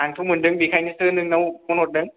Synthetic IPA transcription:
aːŋt̪ʰumɨnɗɨŋɓikʰajnisɨːnɨŋnawonot̚ɗɨŋ

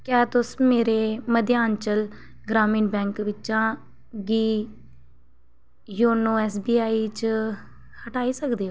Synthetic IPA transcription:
kjaːt̪ʊsmeːɾeːməd̪jaːnt͡ʃəl | ɡɾaːmiːnbɛ̃ːŋkʋɪtːʃãː | ɡiː | joːnũːɛːsbiːaːiːt͡ʃ | həʈaːiːsəkd̪eːɦoː

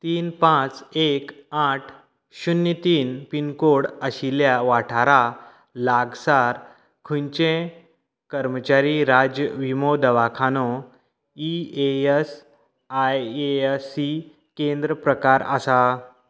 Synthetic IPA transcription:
t̪iːnpãt͡sekaʈʰ | ɕunjət̪iːnpinkoɽəɕiljaʋaʈʰaɾa | laɡsaɾ | kʰuɲt͡ɕẽ | kəɾmət͡ɕaɾiɾad͡ʑjəʋimod̪əʋakʰanɔ | iees | ajesi | kẽnd̪ɾəpɾəkaɾə̰sa

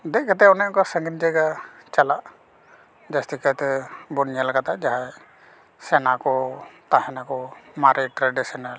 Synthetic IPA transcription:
d̪ɛʔ̚kat̪ɛɔnɛʔkɔsə̃ŋɡind͡ʒaɡat͡ʃalaʔ | d͡ʒast̪ikajt̪ɛbɔnjalɡat̪aʔd͡ʒaɦaj | sɛnakɔt̪ahɛnakɔmaɾiʈɾaɖisɔnal

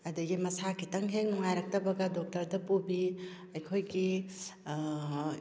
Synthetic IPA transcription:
ɐdɐɡimɐsakʰitɐŋɦeŋnɔŋajɾɐk̚tɐbɐɡadɔk̚tɐɾdɐpubi | ɐjkʰojɡi

